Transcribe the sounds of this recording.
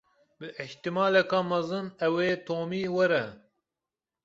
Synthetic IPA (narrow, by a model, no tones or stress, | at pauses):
bɨʔɪht̪ɨmɑːlɛkɑːmɐzɨnɛweːt̪ʰoːmiːwɛɾɛ